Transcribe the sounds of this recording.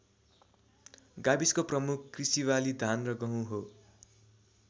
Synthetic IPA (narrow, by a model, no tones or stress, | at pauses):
ɡabiskoprʌmukʰkrisiwalid̪ʱanrʌɡʌɦũɦo